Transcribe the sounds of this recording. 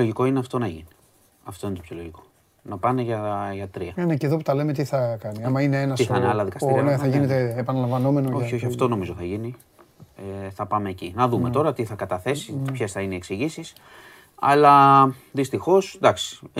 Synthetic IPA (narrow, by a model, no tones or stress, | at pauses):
oʝiko̞ineɐft̪o̞nɐʝini | ɐft̪o̞inet̪opçʰoloʝiko̞̥ | nɐpɐneʝɐʝɐt̪ɾiɐneceðo̞put̪ɐle̞met̪iθɐkɐniɐmɐineenɐsiθɐineɐlɐðikɐst̪iɾneθɐʝinet̪eːpɐnɐlɐ̃ɱvɐno̞me̞nooçio̞çiɐft̪o̞no̞mizoθɐʝini | eθɐpɐme̞ːcinɐðume̞t̪o̞ɾɐt̪iθɐkɐt̪ɐθe̞sipçe̞sθɐineieksiʝisis | ɐ̰lɐ | ðist̪ixo̞sd̪ɐksi̥